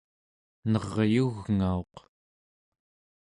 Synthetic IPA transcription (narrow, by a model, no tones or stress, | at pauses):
nʌʁjuɣŋao̞q